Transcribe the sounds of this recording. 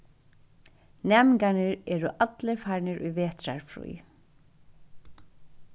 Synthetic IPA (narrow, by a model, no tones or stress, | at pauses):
nɛːmɪŋkanɪɹɛːɾʊʔat̪lɪfaɹnɪɾʔṵjʋeːt̪ɾa̰ɹfɾṵj